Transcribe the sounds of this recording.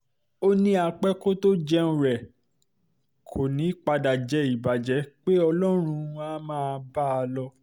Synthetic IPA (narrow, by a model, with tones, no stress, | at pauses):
o˦nĩ˦a˧k͡pɛ˦ko˦to˦d͡ʒɛ˦ñ̩˦ɾɛ˨ | kʰo˨nĩ˨˦k͡pa˧da˨d͡ʒɛ˨˦i˨ba˨d͡ʒɛ˨˦k͡pe˦ɔ˧lɔ˦ɾ̃ũ˧ã˦mãː˦˧ba˦a˧lɔ˧